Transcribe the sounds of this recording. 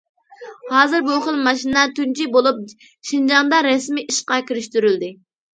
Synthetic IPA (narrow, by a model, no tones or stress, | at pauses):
hɑːzɨɾbuχəlˠmɑʃinɛt̪ynt͡ʃʰibolˠup̚ | ʃind͡ʒɑŋd̪ɑɾɛsmiʔiʃqɑkʲʰiɾyʃt̪yɾyld̪ɪ